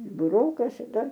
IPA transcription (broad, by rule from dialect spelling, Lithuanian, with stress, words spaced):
bʊˈroːkɐ ʃʲɪˈtɐ